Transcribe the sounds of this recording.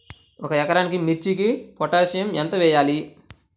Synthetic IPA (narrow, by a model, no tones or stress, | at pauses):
ɔkɐjɐkɐɾaːnik̬imit͡ʃːikipɔʈaːʃɐjɐmɛnt̪ɐʋɛːjaːli